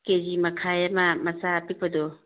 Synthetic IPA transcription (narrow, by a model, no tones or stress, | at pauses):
kezimɐkʰajamɐmɐsapik̚pɐdo